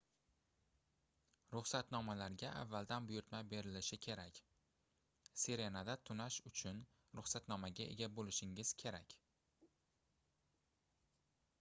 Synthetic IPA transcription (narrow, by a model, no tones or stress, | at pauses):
ɾʊχsat̪nɒmalaɾɡʲaʔa̰vːald̪anbʊjʊɾt̪majbe̞ɾɪlɪʃɪkʲʰe̞ɾakʲ | se̞ɾe̞nad̪at̪ʰʊnaʃʊt͡ʃʰʊn | ɾʊχsat̪nɒmaɡʲaʔe̞̰ɡʲabolɪʃɪŋɪz̥kʲʰe̞ɾakʲ